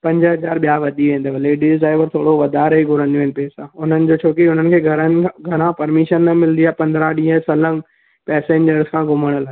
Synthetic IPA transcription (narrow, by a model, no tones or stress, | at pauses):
pɐ̃ɲd͡ʑəɦɐzaːɾɓijaʋɐd̪iʋẽːn̆d̪əʋɐleːɖizaːɪʋəɾt̪ʰoːɽoʋɐd̪aːɾɦeɡʱʊɾə̃nd̪joːɦɪnɪpeːsãːʊn̤ənɪ̆d͡ʑoːt͡ɕʰoːkiʊn̤ənɪ̆kʰeːɡʱɐɾənɡʱɐɾãpɐɾmɪʃənːɐmɪlnd̪iaːpɐ̃nd̪ɾãɗĩɦə̃sɐlə̃n | pɛːsẽːɲd͡ʑəɾzkʰãːɡʊməɽ̃əlaː